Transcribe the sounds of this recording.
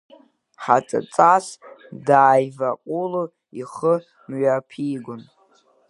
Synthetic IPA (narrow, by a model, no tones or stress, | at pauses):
ħat͡sʼa̰t͡sʼasdaːjvaqʷʼulu | iχə | mɥapʰiːɡʷʊn